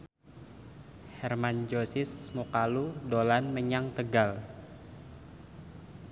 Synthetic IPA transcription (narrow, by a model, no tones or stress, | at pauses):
hɛrmand͡ʒosɪsmukaludolanməɲaŋt̪əɡal